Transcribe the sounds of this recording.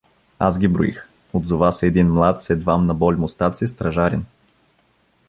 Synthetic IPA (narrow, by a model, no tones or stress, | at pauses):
a̰zɡʲibɾʊ̰ḭx | od̪zʊvasɛɛd̪inmlˠat̪sɛd̪vamnɐbɔlʲmʊst̪at̪sist̪ɾɐʒaɾɛn